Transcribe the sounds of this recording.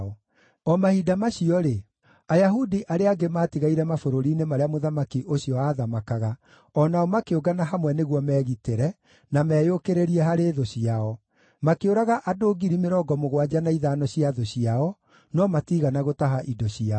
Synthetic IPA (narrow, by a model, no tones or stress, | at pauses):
ɔ | ɔmahidamaɕiɔɾe | ajaɦudiʔaɾeaɡemaːtiɣaiɾɛmafoɾoɾinemaɾeamoðamakiʔoɕiɔaːðamakaɣa | ɔnaɔmakeoɡanaɦamwɛneɣwɔmɛːɣiteɾɛ | namɛːjokeɾeɾiɛɦaɾeːðoɕiaɔ | makeoɾaɣaʔadoːɡiɾimeɾɔːɡɔmoɣwad͡ʑanaiðaːnɔɕiaðoɕiaɔ | nɔmatiɣanaɣotaɦaʔidɔɕia